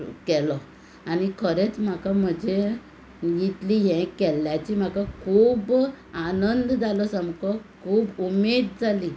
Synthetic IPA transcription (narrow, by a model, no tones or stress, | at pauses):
kɛlɔ | anikʰəɾet͡sm̤akam̤əd͡ʑʱe | jit̪liɦɛ̃kɛljat͡ɕim̤akakʰuːb | anənd̪d͡zalɔsəmkɔkʰuːbumed̪̚d͡zali